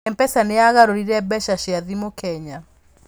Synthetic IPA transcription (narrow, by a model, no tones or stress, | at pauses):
ɛmpɛsaneaɣaɾoɾiɾɛbɛʃaʃeaðimokɛɲa